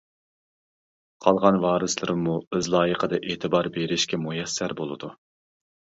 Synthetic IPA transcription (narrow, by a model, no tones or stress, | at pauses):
qʰɑlˠʁɑnwɑːɾɨslˠɨɾɨmːuɪzlˠɑːjəqʰəd̪ɑʔeːt̪ʰɨbɑɾbeɾɪʃkʲɛmujɛsːæɾbolˠɨ̰d̪u